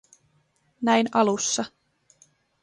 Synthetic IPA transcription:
næjnɑlusːɑ

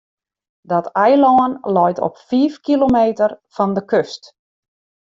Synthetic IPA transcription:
dɔtɛjlɔːənlɔjtʰɔ̰pfiːfkilomeːtərfɔndəkøst

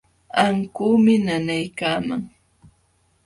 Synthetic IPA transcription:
aŋkuːmɪnanajkaːmaŋ

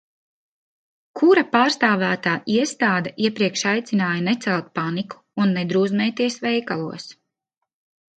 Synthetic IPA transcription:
kʰuɾapaːɾst̪aːvæːt̪aːʔiɛst̪aːd̪aʔiɛpɾiɛkʃajt̪sinaːjanɛt̪sɛlˠt̪̚paniku̥ːnːɛd̪ɾuːzmɛːt̪iɛsʋɛjkalˠuɔs

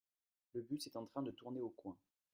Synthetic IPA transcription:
ləbyt̪ɛt̪ɑ̃t̪χɛ̃d̪ət̪uʁneokwɛ̃

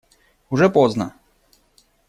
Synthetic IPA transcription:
uʐɛpɔznɐ

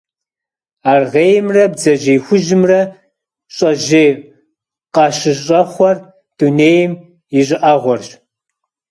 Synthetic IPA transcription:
aːrʁeːjmrɐbzɐʑeːxʷʊʒɪmrɐ | ɕʼɐʒeː | qɑʃɨɕʼɐχʷɔr | d̥uneːjɪm | ɪɕʼɪʔɐʁʷɔrɕ

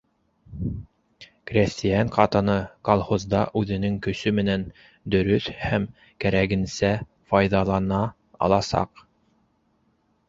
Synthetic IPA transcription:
krʲesʲt̪ʲijɑɴqɑt̪ɤ̆nɤkolˠhozd̪ɑʔʉðɘ̆nɘŋkɵ̆sɵmɘ̆næn | d̪ɵ̆ɾɵθhæm | kæɾæɡɘ̆nsæ | fɑjðɑlˠɑnɑ | ɑ̰lˠɑsɑ̰q

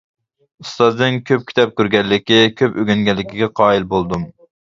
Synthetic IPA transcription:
ust̪ɑzd̪ɨnkʲʰøp̚kʲʰi̥t̪ʰɑp̚kʲøɾɡʲɛlɪkʲikʲʰøpøɡʲɛnɡʲɛlːɪkʲʰiɡʲɛqʰɑːilbolˠd̪um

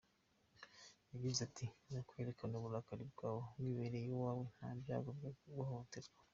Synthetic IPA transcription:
jaɡizatʰinakwe̞ːɾekanoβuɾakaɾibɡaːβomwiβeɾejowaːwen̥habja̰ːɡobaɡuhontezɡa

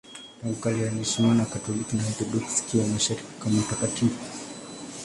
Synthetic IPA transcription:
taukalianisinanakatɔlikinaaθɔdɔksi̥kiwamaʃaɾiki̥kamautakatifu

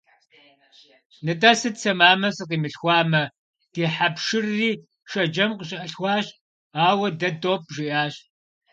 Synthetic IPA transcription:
nɨtʼɐsɨdt͡sʰɐmaːmɐsɨqiːmɨɬxʷɑːmɐ | d̥iːħapʂɨrːiː | ʃɐd͡ʒɐmqəɕʼɪʔɐɬxʷɑːɕ | aːwɐdɐdʼoːp̚ʰʒiʔaːɕ

